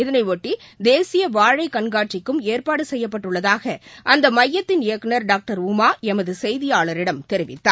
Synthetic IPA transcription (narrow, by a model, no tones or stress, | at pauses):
ɪðɐnɐɪʋoʈːid̪eːsɪjɐʋaːɻɐɪkɐɳɡaːʈt͡ʃɪkːɯmeːɾpaːɽɯsɛjːɐpːɐʈːɯɭːɐðaːɣɐʔɐnd̪ɐmɐjːɐt̪ːɪnɪjɐkːɐnɐɾɖaːk̚ʈɐɾʊmaːɛmɐðɯsɛjðɪjaːɭɐɾɪɽɐmt̪ɛɾɪʋɪ̰t̪ːa̰ː